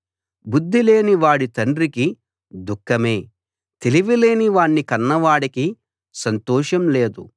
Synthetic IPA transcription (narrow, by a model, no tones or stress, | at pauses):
bud̪ʱːile̞ːniʋaːɽit̪ɐɳɖɾiki | d̪ukʰːɐme̞ː | t̪e̞liʋile̞ːniʋaːɳːikɐnːɐʋaːɽiki | sɐnt̪ɔːʃɐmle̞ːd̪ṵ